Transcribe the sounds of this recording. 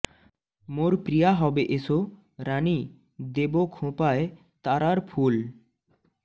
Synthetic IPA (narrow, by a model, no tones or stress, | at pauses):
moɾpɾijaɦɔbeʔeso | ɾani | d̪ebokʰũpae | t̪aɾaɾpʰul